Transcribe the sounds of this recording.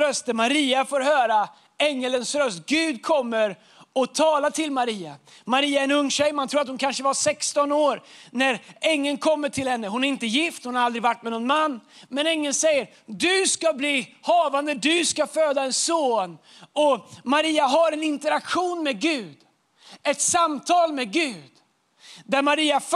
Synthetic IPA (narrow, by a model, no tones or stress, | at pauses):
ɾœst̪əmaɾiːafoːɾɦœːɾa | ɛŋːələnsɾœst̪ɡ̥ʉ̟ːd̪kʰɔmːəɾ | ɔt̪ʰɑːlat̪ʰɪlmaɾiːa̰ | maɾiːaɛɾɛnɵŋːɕɛjːmant̪ʰɾuːɾat̪hʊnkʰanʂəvasɛkst̪ɔnoːɾnæɾɛŋːənkʰɔmːəʈʰɪlhɛnːəɦʊnæɾɪnt̪əjɪft̪hʊnhaɾald̪ɾɪɡvaʈːmɛnɔnmanːmɛnɛŋːənsɛjːəɾ | d̪ɵskabliːhɑːvand̪əd̪ɵskaføːd̪aɛnsoːn | ɔmaɾiːaɦaɾɛnɪnt̪əɾakɧuːnmɛɡʉ̟ːd̪ | ɛt̪samt̪ʰɑːlmɛɡʉ̟ːd̪ | d̪æɾmaɾiːaf